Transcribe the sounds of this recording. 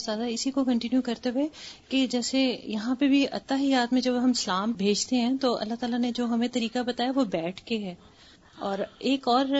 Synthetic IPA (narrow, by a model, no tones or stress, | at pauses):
zaːd̪aɪsikokɐ̃ɳʈɪnjukɐɾt̪eweked͡ʒɛːsejɐɦãpɐbʱiɐ̰t̪ːaɦijaːt̪mẽd͡ʒɐbɦɐmsɐlaːmbʱeːd͡ʒt̪eɦɛ̃t̪oɐ̰lːaɦt̪aːlaned͡ʒoːɦɐmẽt̪ɐɾiːkabɐt̪aːjaʋobɛːʈʰkeɦɛː | ɔːɾeːkɔːɾ